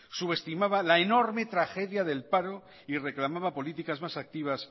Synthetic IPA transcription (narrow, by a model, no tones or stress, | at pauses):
suβe̞st̪imaβalaeno̞ɾme̞t̪ɾaxe̞ðjaðe̞lpaɾo̞ | ire̞klamaβapo̞lit̪ikazmasak̚t̪iβ̞as